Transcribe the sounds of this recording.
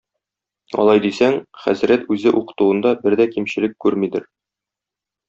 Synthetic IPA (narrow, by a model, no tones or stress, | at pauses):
ɒ̰lˠɑjd̪isæŋχæ̰zɾæt̪ʉzɘʔuqɤ̥̆t̪uwɤ̆nd̪ɑbɘɾd̪ækimɕɘ̆lɘkkːʉɾmid̪ɘɾ